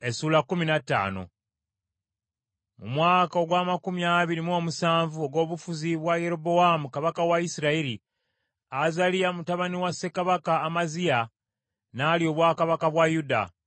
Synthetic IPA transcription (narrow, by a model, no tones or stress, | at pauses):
e̞suːlakːuminatːa̰ːno̞̰ | mṵmwaːkaoɡwaːmakumjaβiɾimo̞musaːɱvuoɡo̞ːβufuziβwaje̞ɾo̞bo̞amukaβakawaisiɾaiɾi | azalijamutaβaniwasːe̞kaβakaːmazia | naːlio̞βwaːkaβakaβwajuda̰